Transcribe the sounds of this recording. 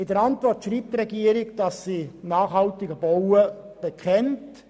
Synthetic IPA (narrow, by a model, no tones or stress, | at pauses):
ɪdəɾɑntvɔrtʃɾiːp̚tɾɛɡiəɾɪɡd̥ɑsːinɑːχhɑltɪɡəbowə | b̥ekʰɛnt